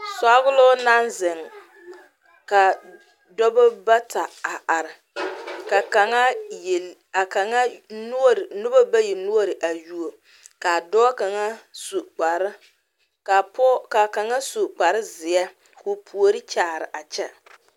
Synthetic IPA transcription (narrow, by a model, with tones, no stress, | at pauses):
sa˦ɣʊ˦lʊ˦na˦nzɪ˨ŋ | ka˨ | dɔ˦bɔ˦ba˦ta˨a˨ʔa˨ɾɪ˨ | ka˨ka˨ŋa˦j | a˨ka˨ŋa˦n˦ɾnʊ˦ba˦ba˦ji˨nu˦o˦ɾɪ˨ʔa˨ju˦o˨ | ka˨dɔː˦ka˨ŋa˦su˨k͡pa˨ɾ | a˨pɔ˦ka˨ka˨ŋa˦su˨k͡pa˨ɾɪ˦zɪ˨ɛ˦ | kʊ˨pʰu˨o˨ɾɪ˦t͡ʃaː˨ɾɪ̰˨ʔa˨t͡ʃɛ˦